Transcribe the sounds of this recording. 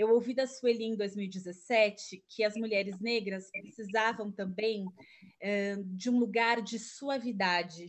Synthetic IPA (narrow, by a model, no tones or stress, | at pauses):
ewowvid̪ɐsuelĩd̪ojzmiwid͡ʒɪzesɛt͡ʃɪkʰɪɐzmuʎɛɾɪzneɡɾɐspɾesizavɐ̃w̃t̪ɐ̃mbẽj̃ | ɛd͡ʒɪũluɡaɾd͡ʒɪsuɐvid̪ad͡ʒɪ